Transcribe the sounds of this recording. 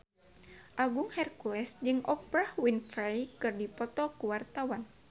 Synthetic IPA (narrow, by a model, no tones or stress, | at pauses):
ʔaɡuŋhɛrkuɛsd͡ʒɨŋɔpɾahwinfajkɨrdipɔt̪ɔkuwart̪awan